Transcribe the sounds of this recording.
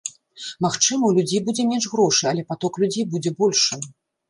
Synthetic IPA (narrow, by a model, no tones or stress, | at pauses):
maxt͡ʂɨmɐwlʲud͡zʲejbud͡zʲɛmʲɛnʐɣɾɔʂɨjɐlʲɛpat̪ɔklʲud͡zʲejbud͡zʲɛbɔlʲʂɨ